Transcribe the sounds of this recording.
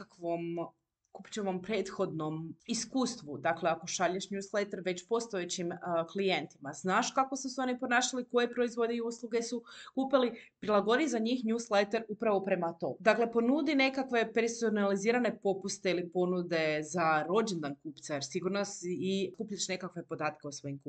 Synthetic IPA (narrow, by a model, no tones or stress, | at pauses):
akʋom | kupt͡ɕeʋompɾeːt̪xo̞d̪no̞miskuːst̪ʋud̪akle̞ako̞ʃaʎeʃɲuːslet̪eɾʋe̞t͡ɕpo̞st̪o̞et͡ɕimklijent̪imaznaːʃkako̞suseo̞nipo̞naːʃaliko̞jepɾo̞izʋo̞d̪eijuslˠuɡe̞sukuːpilipɾilˠaɡo̞d̪izaɲixɲuːslet̪eɾupɾaʋo̞pɾe̞mat̪o̞̰d̪akle̞po̞nud̪ine̞kakʋe̞peɾsonaliziːɾane̞po̞pust̪eilipo̞nud̪e̞zaɾo̞d͡ʒend̪ankuːpt̪sajeɾsiɡuɾnosikuːpʎaʃne̞kakʋe̞po̞d̪aːt̪ke̞usʋo̞jimku